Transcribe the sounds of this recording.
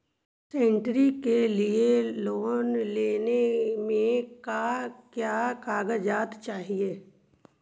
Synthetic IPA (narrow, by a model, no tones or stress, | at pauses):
sẽɳʈɾikelieloːnleːnemẽkakjaːkaːɡəd͡ʒaːt̪t͡ʃaːɦieː